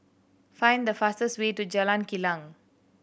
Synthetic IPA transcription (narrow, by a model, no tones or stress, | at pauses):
fãj̃nd̪əfastəstwetud͡ʒalãnkilãŋ